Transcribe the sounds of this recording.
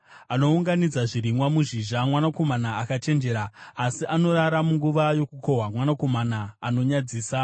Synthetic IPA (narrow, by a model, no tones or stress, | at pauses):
ano̞uŋɡanid͡zaʐiɾimwamuʒiʒamwanako̞manaːkat͡ʃe̞nd͡ʒe̞ɾaːsiʔano̞ɾaɾamuŋɡuʋajo̞kuko̞ɦwamwanako̞manaːno̞ɲad͡ziːsa